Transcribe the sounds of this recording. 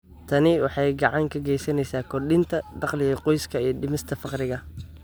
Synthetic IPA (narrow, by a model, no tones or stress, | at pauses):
t̪ʰɐnɪwɑħɑjɡɑʕɑŋkʰɐɡɛjsɐnɛjsaːkʰɔrɗɪnt̪ʰɐɖɑqlɪjɐqɔjskʰɐiːɖɪmɪst̪ʰɐfɑqɾɪɣɐ